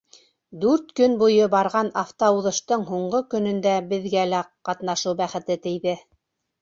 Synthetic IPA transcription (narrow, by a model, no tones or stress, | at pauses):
d̪ʉɾt̪kɵnbujɤbɑɾʁɑnɑft̪ouðɤ̆ʃt̪ɤɴɦuɴɢɤkɵ̆nɵ̆nd̪æbɘ̆ðɡælæqɑt̪nɑʃɤwbæχɘ̆t̪ɘt̪ɘ̆jðɘ